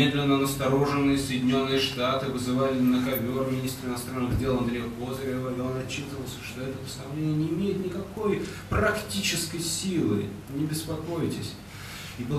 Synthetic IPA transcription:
ed̪lʲɪnːənəst̪ɐɾo̞ʐɨnːɨjəsəjɪdʲɪnʲo̞nːɨjəʂt̪at̪ɨvɨzɨvalʲɪnəxɐvʲoɾmʲɪnʲist̪ɾəɨɪnɐst̪ɾanːɨɣdʲe̞lˠɐnd̪ɾʲejəkozəɾʲɪəvɐɾʲionɐt͡ɕːit̪əvəlˠsʲə̥ʂt̪o̞ɛt̪əpə̥st̪ɐvlʲenʲɪjənʲɪːmʲejɪt̪nʲɪkɐko̞j | pɾɐktʲit͡ɕɪskəjsʲilˠɨ̰ | nʲɪbʲɪspɐko̞jɪtʲɪsʲ | ibɨ

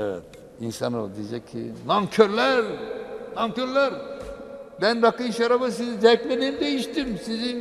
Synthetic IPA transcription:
ɛvɛ̰t̪̚ | insano̰d̪id͡ʒɛkʰːḭnaŋkʰøɾlʲæɾnaŋkøɾlʲæɾ | bænɾakɯʃaɾabɯsizizɛklʲed̪iːmd̪ejiʃt̪imsizin

